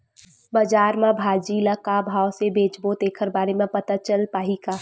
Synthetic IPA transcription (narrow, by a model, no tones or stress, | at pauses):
bəd͡ʒaːɾmãbʱaːd͡ʒiləkabʱaːwsebeːd͡ʒbot̪eːkʰəɾbaːɾemẽpət̪at͡ʃəlpaːɦikaː